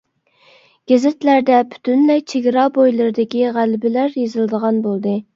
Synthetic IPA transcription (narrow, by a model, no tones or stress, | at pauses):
ɡ̥ʲezɪt̪læɾd̪ɛpʰy̥t̪ʰynlɛjt͡ʃʰeɡʲɪɾɑbojlˠɨɾɨd̪ɪkʲiʁælbɪlæɾjezɨlˠɨd̪əʁɑnbolˠd̪ɨ